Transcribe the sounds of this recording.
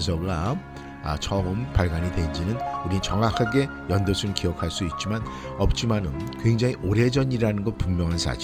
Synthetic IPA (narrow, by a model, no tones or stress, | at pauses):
s̬ʰʌɡɾa | t͡ɕʰʌɯmpaɭɡaɲitwe̞nd͡ʑinɯnuɾit͡ɕʌŋakʰaɡe̞ | jʌndʌsʰukiʌkʰaɭs͈uit̚t͡ɕ͈iman | ʌp̚t͡ɕ͈imanɯnkwe̞ŋd͡ʑaŋiʔoɾe̞d͡ʑʌɲiɾanɯnɡʌt̚pummjʌŋɦansʰa̰d͡ʑi